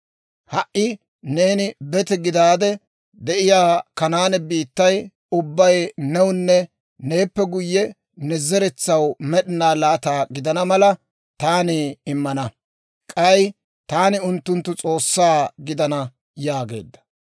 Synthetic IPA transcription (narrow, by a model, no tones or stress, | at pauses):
hɐʔɪ | neːnɪbɛt̪ɛɡɪd̪aːd̪ɛ | d̪ɛʔɪjaːkɐnaːnɛbiːt̪ːɐj | ʊbːɐjnɛwʊnːɛ | ne̞ːpːɛɡʊjːɛ | nɛzɛɾɛt͡sːɐwmɛɗɪnaːlaːt̪aːɡɪd̪ɐnɐmɐlɐ | t̪aːnɪɪmːɐnɐ | kʼɐj | t̪aːnɪʊnt̪ːʊnt̪ːʊt͡sʼo̞ːsːaːɡɪd̪ɐnɐ | jaːɡe̞̰ːd̪ːɐ̥